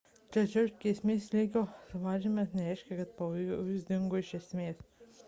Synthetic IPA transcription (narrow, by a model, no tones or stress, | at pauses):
t͡ʃʲɛt͡ʃʲɛʊʃkʲesʲmʲeːslʲiːɡʲoːsʊʋɑːʒʲɪmʲɛsnʲɛɾʲɛɪʃʲkʲɛkɐt̪̚pɐojjʊsʲd̪ʲɪŋɡoːɪʃʲɛsʲmʲeːs